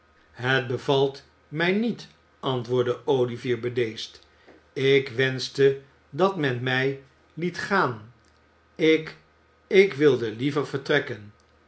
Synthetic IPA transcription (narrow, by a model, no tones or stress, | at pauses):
ɦət̚bəvɑlˠt | mɛjnit | ɑntʋʊːɹdəowliviːɹbədejst | ɪkʋɛnstə | dɑtmɛnmɛj | litχaːn | ɪk | ɪkʋɪlˠdəlivəɹvəɹtrɛkən